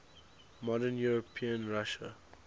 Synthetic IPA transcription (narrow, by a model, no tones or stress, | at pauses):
mɔdənjuɹɔpʰĩə̃nɹaʃə̰